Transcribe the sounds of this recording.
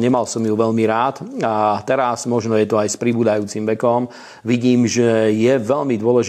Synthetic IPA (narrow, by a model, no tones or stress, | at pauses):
ɲɛmalsɔmjuʋɛʎmiɾaːt̪at̪ɛɾazmɔʒnɔjɛt̪ɔajspɾibuːd̪ajuːt͡simʋɛkɔm | ʋiɟiːmʒɛjɛʋɛʎmid̪ʊɔlɛʒ